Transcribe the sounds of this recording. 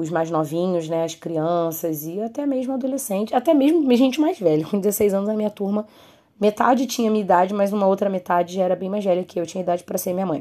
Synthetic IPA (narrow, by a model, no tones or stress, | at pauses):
ʊzmajznɔvĩɲʊznɛɐskɾiɐ̃sɐzɪat̪ɛmeʒmʊad̪olesẽnt͡ʃɪat̪ɛmeʒmʊmeʒẽnt͡ʃɪmajzvɛlɐkõd͡ʒɪzesejzɐ̃nʊzɐmĩɲɐt̪uɾmɐ | met̪a̰d͡ʒɪt͡ʃĩɲɐmĩɐid̪ad͡ʒɪmɐzũmɐowt̪ɾɐmet̪ad͡ʒɪʒaɛɾɐbẽj̃majzvɛlʲɐkɪewt͡ʃĩɲɐid̪ad͡ʒɪpɾɐseɾmĩɲɐmɐ̃j̃